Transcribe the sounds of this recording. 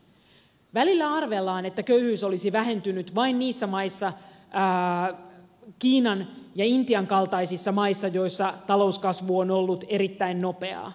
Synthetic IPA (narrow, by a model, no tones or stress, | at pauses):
ʋælilːæɑrʋe̞lːɑːne̞t̪ːækøyhyːso̞lisiʋæɦe̞nt̪ynyt̪ʋɑinniːsːæmɑisːɑ | kiːnɑnjɑint̪iɑŋkɑlt̪ɑjsisːɑmɑisːɑjo̞jsːɑt̪ɑlo̞uskɑsʋuono̞lːut̪e̞ɾit̪ːæinno̞pe̞ɑ̰ː